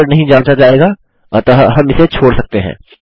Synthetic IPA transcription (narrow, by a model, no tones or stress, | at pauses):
əɾnɐɦĩd͡ʒãːt͡ʃad͡ʒaːeːɡa | t̪oɦɦɐmɪset͡ʃʰoːɽsɐk̚t̪eɦɛ̰̃ː